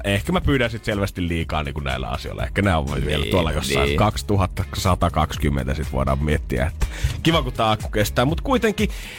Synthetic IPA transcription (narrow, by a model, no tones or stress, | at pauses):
ehkæmæpyːɾænsit̪selʋæst̪illiːkɑ̰ːniːŋkunnæ̰ˑilːæ̰ɑ̰sio̰ˑlːˑɑ̰ḛhkːˑænæo̰ʋeʋielːæ̰t̪uolːɑjosːɑ̰ikɑkst̪uhɑt̪ːɑsɑt̪ɑkɑkskymːḛnt̪æsit̪ʋo̰ˑedɑ̰ːmmiet̪ːiæ̰et̪ːæ̥kiʋɑkut̪ːɑɑˑkːukest̪ˑæːmmut̪kuit̪eŋki